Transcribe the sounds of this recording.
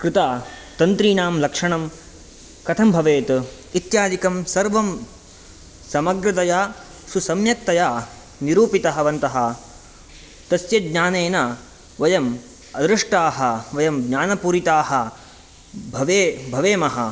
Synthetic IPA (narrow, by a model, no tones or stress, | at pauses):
kɾɪt̪aːt̪ɐnt̪ɾiːnaːmlɐkʂɐɳɐm | kɐt̪ʰɐmbʱɐʋeːt̪ | it̪jaːd͡ʒ̪ikɐmsɐɾʋɐm | sɐmɐɡɾɐt̪ɐjaː | susɐmjɐk̚t̪ɐjaː | niɾuːpit̪ɐɦɐʋɐnt̪ɐɦɐ | t̪ɐsjɐɡɲaːneːna | ʋɐjɐm | ɐd̪ɾuʂʈaːɦɐʋɐjɐmɡɲaːnɐpuːɾit̪aːɦɐ | bʱɐʋeːbʱɐʋeːmɐɦɐ